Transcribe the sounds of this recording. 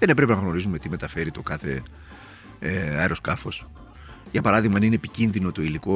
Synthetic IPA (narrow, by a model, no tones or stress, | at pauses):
ðene̞pɾepe̞nɐɣno̞ɾizume̞t̪ime̞t̪ɐfe̞ɾit̪o̞kɐθe̞̰ | eɐeɾo̞skɐfo̞s | ʝɐpɐɾɐðiɣmɐninepicinðino̞t̪o̞iliko